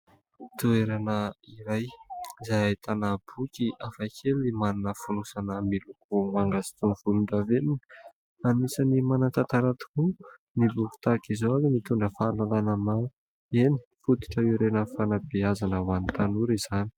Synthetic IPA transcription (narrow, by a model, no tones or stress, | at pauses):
t̪ueɾanəiɾajzajaet̪ʰanab̥ukiʔafakʰelimaninəfunusanəmilukumaŋɡazi̥t̪univulund̪avenin | anisənimanat̪at̪aɾat̪u̥ku | nibuku̥t̪akizoanimit̪uɳɖ͡ʐəfaːlalanəma | eni̥fut̪i̥ʈ͡ʂəiɾenəfanabiazanəwanit̪anuɾiz̥ani̥